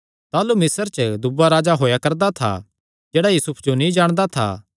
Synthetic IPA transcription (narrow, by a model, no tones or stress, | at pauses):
t̪aːlumɪsəɾt͡ʃəd̪ʊbːaɾaːd͡ʒaɦoːjakɐɾd̪at̪ʰa̰ | d͡ʒeːɽajuːsʊpʰd͡ʒonĩd͡ʒaːɽ̃d̪at̪ʰa̰ː